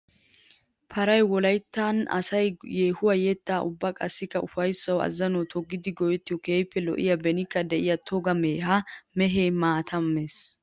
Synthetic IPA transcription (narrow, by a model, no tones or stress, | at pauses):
pʰɐɾɐjwɔlɐjt̪ːanɐ̰sɐjjeːhʊwɐjɛt̪ːaːʔʊbːɐkʼɐsːɪkːɐʊfɐjsːɐwɐ̰zːɐnɔt̪ʰɔɡːɪd̪ɪɡɔjɛt̪ːɪjɔkeːjpːɛlɔ̰ʔɪ̰jɐbɛnɪkːɐd̪ɛʔɪjɐt̪ʰɔɡɐme̞ːhɐmɛɦeːmaːt̪ʰɐmːe̞ːs